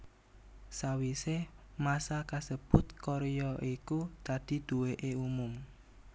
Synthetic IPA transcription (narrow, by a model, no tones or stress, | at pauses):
sawisemasakasəb̥ʊt̪̚koɾejɔʔikud̪̥a̤d̪̥i̤d̪̥uweʔeumʊm